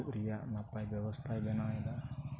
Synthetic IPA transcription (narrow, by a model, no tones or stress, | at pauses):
ʔɾijaʔnapajbɛwɔst̪ʰajbɛnajɛd̪a